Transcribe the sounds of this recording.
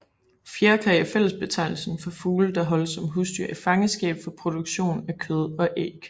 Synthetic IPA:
fjeɐkʰɛɪæfel̰əsb̥e̝t͡sʰɑ̈ɪ̰l̩sn̩fɒ̽fuːləd̥ɑ̈ɦɒ̽l̰əsɒ̽mɦusd̥y̰ɐ̰e̥fɑ̈ŋəsɡ̥ɛ̰ːb̥fɒ̽pʰʁo̝d̥uɡ̥ɕo̝̰ːnækʰøð̞ˠɒ̽ʔḛːɡ̥

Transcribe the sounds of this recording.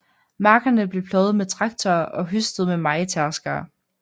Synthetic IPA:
mɑ̈ːɡ̥ɐnəb̥le̝pʰlɒːʊð̞̩ˠmet͡sʰʁɑ̈ɡ̥t͡sʰɒːʔɒ̽ɦysd̥ð̩ˠmemɑ̈ɪət͡sʰæɐsɡ̥ɐː

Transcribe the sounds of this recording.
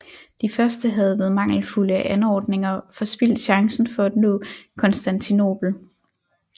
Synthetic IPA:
d̥ifɶɐsd̥əɦæð̞̩ˠʋæð̩ˠmɑ̈ŋ̰l̩fuləʔænɒ̰ːd̥ne̝ŋɐfɒ̽sb̥il̰d̥ɕɑ̈ŋsn̩fɒ̽æd̥no̰̽ːkʰɒ̽nsd̥ænt͡sʰino̝̰ːb̥l̩

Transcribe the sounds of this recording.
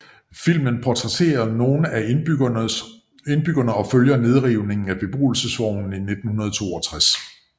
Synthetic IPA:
fil̰mənpʰɒt͡sʰʁɛt͡sʰe̝̰ːɐno̝ːnʔæ | e̝nb̥yɡ̥ɐnəɒ̽føljɐne̝ð̞ˠʁiʊne̝ŋ̩æb̥e̝b̥ʁṵːl̩səsʋɒʊ̰n̩ine̝d̥̚n̩hunɐð̞ˠt͡sʰo̝̰ːɒ̽t͡sʰʁas

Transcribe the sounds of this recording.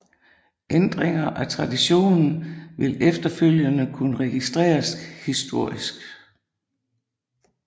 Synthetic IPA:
ʔend̥ʁeŋɐʔæt͡sʰʁɑ̈d̥iɕo̝̰ːnn̩ʋe̝lefd̥ɐføl̰jənəkʰunəʁɛɡ̥isd̥ʁɛ̰ːɐshisd̥o̝ɐ̰isɡ̥

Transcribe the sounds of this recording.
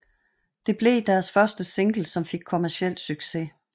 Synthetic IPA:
d̥e̝b̥le̝d̥æɐsfɶɐsd̥əse̝ŋɡ̥l̩sɒ̽mfe̝ɡ̥̚kʰo̝mæɐsiel̰d̥syɡ̥se̝

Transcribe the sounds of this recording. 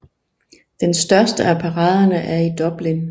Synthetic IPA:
d̥ensd̥ɶɐsd̥əæpʰɑ̈ʁɑ̈ːðˠɐnəʔæɐid̥ɒ̽b̥len

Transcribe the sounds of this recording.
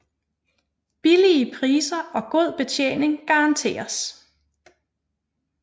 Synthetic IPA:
b̥iliəpʰʁiːsɐʔɒ̽ɡ̥o̝ð̞̰ˠb̥e̝t͡ɕʰjḛːne̝ŋɡ̥ɑ̈ɑnt͡sʰe̝̰ːɐs

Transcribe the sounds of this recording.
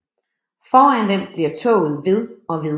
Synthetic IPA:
fɒːænd̥emb̥liɐ̰t͡sʰɔ̰ːʊð̩ˠʋe̝ðˠɒ̽ʋi

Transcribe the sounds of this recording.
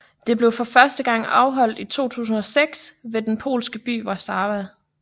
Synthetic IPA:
d̥e̝b̥le̝ʊfɒ̽fɶɐsd̥əɡ̥ɑ̈ŋ̰ɑ̈ʊɦɒ̽l̰d̥it͡sʰo̝̰ːt͡sʰṵːs̬n̩ɒ̽seɡ̥sʋe̝d̥enpʰo̝̰ːlsɡ̥əb̥y̰ːʋɑ̈sɑ̈ːʋæðˠ

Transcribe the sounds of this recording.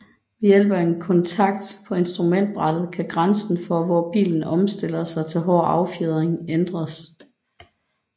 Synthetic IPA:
mejel̰b̥ɐenkʰɒ̽nt͡sʰɑ̈ɡ̥̚d̥pʰɒ̽e̝nsd̥ʁumen̰d̥̚b̥ʁɑd̥ð̞̩ˠkʰæɡ̥ʁansn̩fɒ̽ʋɒːb̥ḭːln̩ɒ̽msd̥e̝l̰ɐsɑ̈ɪt͡sʰe̝lɦɒ̰ːɑ̈ʊfeð̞ˠʁeŋend̥ʁɐs

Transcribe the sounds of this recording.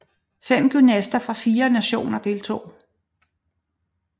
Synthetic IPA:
fem̰ɡ̥ynæsd̥ɐfʁɑ̈fiːɐnæɕo̝̰ːnɐd̥e̝lt͡sʰo̝̰ː

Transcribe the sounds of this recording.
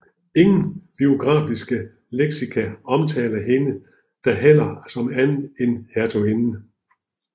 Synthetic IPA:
e̝ŋn̩b̥io̝ɡ̥ʁɑ̰̈ːfisɡ̥ə | leɡ̥sikʰæɒ̽mt͡sʰɛ̰ːlɐɦe̝nə | d̥ɑɦel̰ɐsɒ̽mænð̩ˠenheɐt͡sʰo̝enn̩

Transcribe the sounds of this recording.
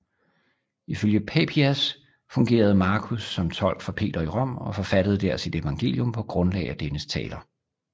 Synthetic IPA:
iføljəpʰepʰiæs | fɔ̽ŋɡ̥e̝̰ːɐð̞̩ˠmɑ̈ːkʰusːɒ̽mt͡sʰɒ̽l̰ɡ̥fɒ̽pʰe̝̰ːd̥ɐiʁɒ̽m̰ɒ̽fɒ̽fæd̥əð̩ˠd̥æɐ̰sid̥e̝ʋɑ̈ŋɡ̥e̝̰ːljɔ̽mpʰɒ̽ɡ̥ʁɔ̽nlɛ̰ɪæd̥enəst͡sʰɛ̰ːlɐ

